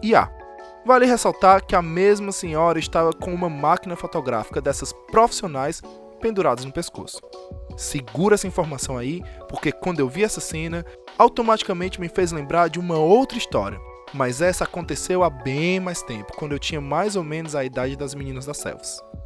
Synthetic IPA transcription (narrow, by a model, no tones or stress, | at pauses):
ia̰ | valɪɦesawt̪aɾkɪɐmezmɐsẽɲɔɾɐɪst̪avɐkõũmɐmakinɐfot̪oɡɾa̰fi̥kɐd̪ɛsɐspɾofi̥sionajs | pẽnd̪uɾad̪ʊznʊpesko̰sʊ̥sɪɡuɾɛsɐĩfoɾmasɐ̃w̃aipoɾkekwɐ̃nd̪ʊewviɛsɐsẽnɐ | awt̪õmat͡ʃi̥kɐmẽnt͡ʃɪmɪfejzlẽmbɾaɾd͡ʒɪũmɐowt̪ɾɐist̪ɔ̰ɾiɐ | mɐzɛsɐakõnt̪esewabẽj̃majst̪ẽpʊ̥kwɐ̃nd̪ʊewt͡ʃĩɲɐmajzomẽnʊzɐid̪ad͡ʒɪd̪ɐzminĩnɐzd̪ɐsɛ̰wvɐs